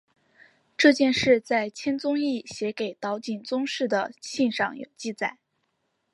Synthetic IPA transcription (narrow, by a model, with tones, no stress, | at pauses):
ʈ͡ʂɤ˥˧t͡ɕjɛ˥˧nʂɻ̩˥˧t͡sa˥˩ɪt͡ɕʰjɛ˥nt͡sʊ˥ŋi˥˩ɕjɛ˧˥ke˨˩ɪt̪ɑ˧˥ʊt͡ɕi˨˩nt͡sʊ˥ŋʂɻ̩˥˩d̪ə˩ɕi˥˧nʂɑ˥˩ŋjo̰˨˩ʊt͡ɕi˥˧˩t͡sa˨˩˦ɪ